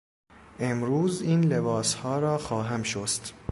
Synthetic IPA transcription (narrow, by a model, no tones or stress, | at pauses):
ʔemɾuːziːnle̞bɒːshɒːɾɒːxɒːɦæmʃost̪